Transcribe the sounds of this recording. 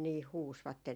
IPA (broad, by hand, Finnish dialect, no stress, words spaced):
niːh huːsʋɑtːen